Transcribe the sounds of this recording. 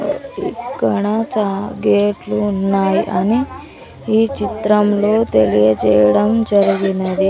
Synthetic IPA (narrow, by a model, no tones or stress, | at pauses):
ikːɐɽɐt͡ʃaːɡeːʈluːnːaːjiʔɐni | iːt͡ʃit̪ɾɐmlo̞ːt̪elijɐd͡ʒɛːjɐɽɐmd͡ʒɐɾiɡinɐd̪i